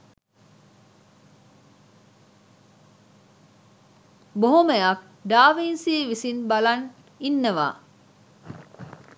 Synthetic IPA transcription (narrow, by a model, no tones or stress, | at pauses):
boɦomejak̚ | ɖaːʋiːnsiːʋisinbɐlɐn | inːɐʋa̰ː